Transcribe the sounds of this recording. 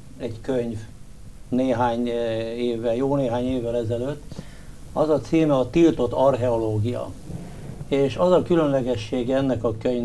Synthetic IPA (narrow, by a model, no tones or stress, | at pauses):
ɛɟkøɲv | neːɦaːɲeːvːɛljoːneːɦaːɲeːvːɛlɛzɛløt̪ː | ɒzɒt̪siːmɛɒt̪ilt̪o̞t̪ːɒrɦɛo̞loːɡijɒ̰ | eːʃɒzɒkylø̞nlɛɡɛʃːeːɡɛɛnːɛkɒkøɲv